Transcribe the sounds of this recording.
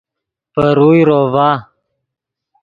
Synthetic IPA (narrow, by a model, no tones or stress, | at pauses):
pəɾujɾovaː